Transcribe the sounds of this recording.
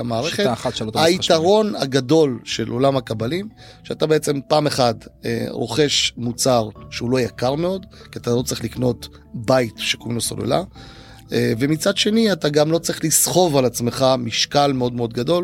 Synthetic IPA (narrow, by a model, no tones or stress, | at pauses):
amaːʁeχeatʃlotait̪aʁo̞na̰ɡado̞lʃe̞lʔo̞lamhakabalim | ʃeatabeet͡se̞mpaːme̞χadḛʁo̞̰χe̞ʃmut͡saʁʃeulojakaʁme̞o̞d | kiatalo̞t͡sʁiχlikno̞t | bajtʃekounosolḛla̰ | ve̞mit͡sadʃe̞niataɡamlo̞t͡sʁiχlisχo̞valat͡sme̞χamiʃkalmeo̞dmeo̞d̪ɡado̞l